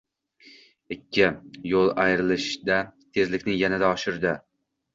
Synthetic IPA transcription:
ɪkʲʰːɪjolˠajɾɪlɪʃd̪at̪ʰe̞zlɪkʲnɪŋjanad̪aɒʃɪɾd̪ɪ

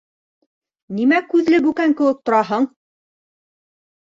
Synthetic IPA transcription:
nimækʉðlɘbʉkæŋkɘ̆wɘk̚t̪ŏɾɑɦɤɴ

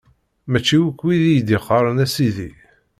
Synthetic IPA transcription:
mæt͡ʃːiwukːwiðijd̪iqɑɾˤənæsiðḭ

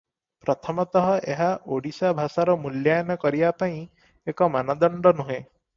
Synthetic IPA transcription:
pɾɔt̪ʰɔmɔt̪ɔɦɔʔeɦaʔoɽisabʱasaɾɔmuljajɔnɔkɔɾibapaĩ | ekɔmanad̪ɔɳɖɔnuɦẽ

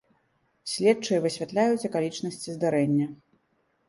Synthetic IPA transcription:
sʲlʲɛt̪̚t͡ʂɨjɛvɨsʲvʲat̪lʲajut͡sʲɐkalʲit͡ʂnɐsʲt͡sʲizd̪aɾɛnʲːɐ

